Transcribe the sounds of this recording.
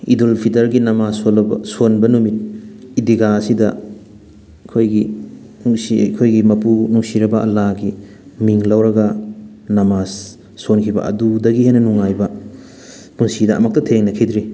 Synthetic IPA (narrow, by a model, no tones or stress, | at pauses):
ḭdulpʰitɐɾɡinɐmasolɐbɐsonbɐnumit̚idiɡaːsidɐ | kʰojɡi | nuŋsikʰojɡimɐpunuŋsiɾɐbɐʔɐ̰laɡi | miŋlɐwɾɐɡɐ | nɐmasː | onkʰibɐ̰ɐ̰dudɐɡihejnɐnuŋajbɐ | punsidɐ̰ːmɐk̚tɐtʰeŋnɐkʰidɾi